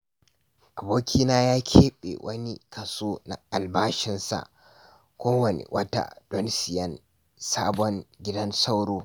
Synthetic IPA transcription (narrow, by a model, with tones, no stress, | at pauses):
ʔa˨boː˦kʲʰiː˦naː˦jaː˦kʲʰeː˦ɓḛ˨wʔɐ˦ni˦kɐ˨soː˦na̰˨ʔa˨lbaː˦ʃɪ˦nsa̰˨ʔ | kʷoː˦wɐ˨nḛ˨wʔɐ˦ta̰˨d̥ɔ˦nsɪ˨jɐ˦n | saː˦bɔ˦ŋɡʲɪ˦dɐ˦nsa˦wɽoː˦